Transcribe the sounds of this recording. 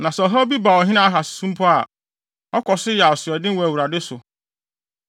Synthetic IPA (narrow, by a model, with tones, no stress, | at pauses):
nã˨sɛ˨ɔ˨ɦa˦bi˦ba˨ɔ˨ɦɪ̃˦nã˦a˦˨ɦa˨sɪ̥˨sũ˦m˦pʰɔ˦a˨ | ɔ˦kʰɔ˨sɪ˦ja˨ɔ˨sɪ˨ɔ˨dɪ˦wɔ˨æ˨wu˨ɾa˨dɪ˦sʊ˨